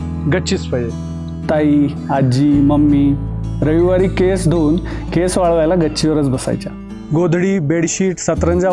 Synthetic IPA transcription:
ɡət͡ɕispəje | t̪ai | ad͡ʑiməmːiɾəʋiʋaɾiːkesd̪ʱoːnkesʋaɭʋajlaɡəɕʰiʋəɾət͡sbəsa̰jt͡ɕa̰ | ɡod̪ʱɽiːbeɽɕiːʈsət̪ɾənd͡ʑa

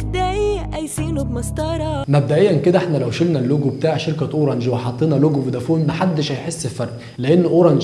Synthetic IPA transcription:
d̪æʔiʔæjsiːnʊbmɑsˤt̪ˤɑɾˤɑmæb̚d̪æʔejːænked̪æʔeħnælæwʃelnælːoɡubet̪aːʕʃeɾkæʔoːɾˤɑnd͡ʒweħɑt̪ˤːeːnɑloɡuwed̪æfoːnmaħad̪ːeʃhæjħesːelfɑɾˤʔ | leʔenːʔoɾˤɑnd͡ʒ

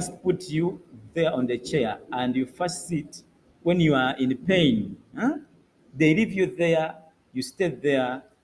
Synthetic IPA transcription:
sputʰjuðɛɔ̃nðət͡ʃɛãndjufasit | wɛ̃njuaĩnpẽjn | ðelivjuðɛ | justeðɛ

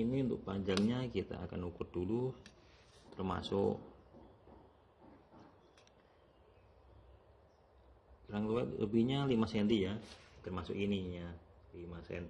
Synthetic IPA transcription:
iniunt̪ʊk̚paɲd͡ʒaŋɲakit̪a̰akanukʊt̪̚d̥ulu | t̪ərma̰sʊk | ɾaŋləwɛlə̰bihɲalimasɛnt̪ijat̪ərmasʊkiniɲalimasɛ̰nt̪i

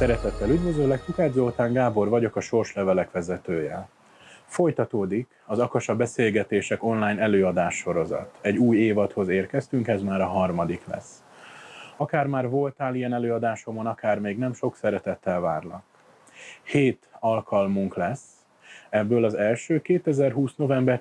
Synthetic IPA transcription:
sɛɾɛt̪ɛt̪ːɛlyd̪vʋø̞zøːlɛk̚t̪ukaːd̪zolt̪aːŋɡaːbo̞rvɒɟo̞kɒʃo̞rʃlɛvɛlɛkʋɛzɛt̪øːjɛ̰ | fo̞jt̪ɒt̪oːd̪ik | ɒzɒkɒʃɒbɛseːlɡɛt̪eːʃɛko̞nlaːjnɛløːɒd̪aːʃːo̞ɾo̞zɒ̰t̪ɛɟːuːjeːvɒt̪ho̞zeːrkɛst̪yŋkɛzmaːɾɒɦɒrmɒd̪iklɛ̰sː | ɒkaːrmaːrvo̞lt̪aːlijɛnɛløːɒd̪aːʃo̞monɒkaːrmeːɡnɛmʃo̞ksɛɾɛt̪ɛt̪ːɛlvaːrlɒk | heːt̪ɒlkʰɒlmuŋklɛsː | ɛbːøːlɒzɛlʃøːkeːt̪ɛzɛrɦuːsno̞vɛmbɛr

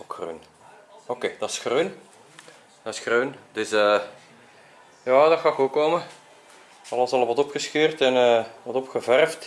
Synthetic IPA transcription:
okxrø̰n | okeːd̥ɑsxrøːn | d̥ɑsxrøːnd̥ʏsəː | jɑːdɔrxɑːkokoːmə | ɑlˠɑsɑlˠəʋɑtɔpxəsxyːrtɛnəːʋɑtɔpxəvɛrft

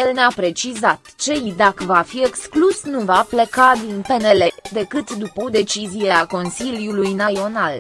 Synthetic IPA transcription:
jelneapɾe̞t͡ʃizat̪t͡ʃe̞id̪akəvafie̞ksklusnuvaple̞kad̪inpe̞ne̞le̞d̪e̞kɨt̪d̪upəod̪e̞t͡ʃizieako̞nsiljulujnaio̞nal

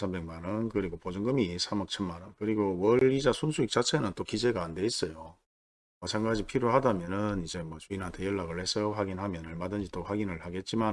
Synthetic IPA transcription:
sʰambe̞ŋmanɯnkɯɾiɡopod͡ʑuŋɡɯmisʰamʌk̚t͡ɕʰʌnmanɯnkɯɾiɡowʌɭid͡ʑasʰunsʰuik̚t͡ɕ͈at͡ɕʰe̞nɯnt͈okid͡ʑe̞ɡaːnde̞is͈ʌjo | mʌt͡ɕʰaŋɡad͡ʑipʰiɾjohadamjʌnɯnid͡ʑe̞mwʌt͡ɕuinɦantʰejʌɭːaɡɯɭhe̞s͈ʌɸwaɡinhamjʌnɯɭmadɯnd͡ʑit͈oɸwaɡinɯɭhaɡe̞t̚t͡ɕ͈iman

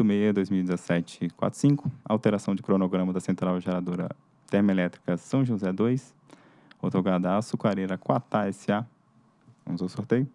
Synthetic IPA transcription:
d̪ʊmejɐd̪ojzmiwid͡ʒɪzɛsɛt͡ʃɪkwa̰t̪ɾʊ̥sĩŋkʊa̰wt̪eɾasɐ̃w̃d͡ʒɪkɾonoɡɾɐ̃mɐd̪ɐsẽnt̪ɾawʒeɾad̪oɾɐ̰ | t̪ɛɾmelɛt̪ɾikɐsɐ̃w̃ʒũzɛd̪ojs | owt̪oɡad̪ɐːsukaɾeɾɐkwat̪aɛsɪa | vɐ̰̃mʊzosoɾt̪ejʊ

